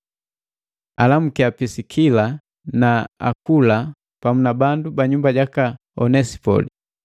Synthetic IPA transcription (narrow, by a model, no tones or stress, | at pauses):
alam̩kiapisikʰila | naa̰kula | pamunabandubaɲumbaɟaka | ɔnɛsi̥pɔ̰li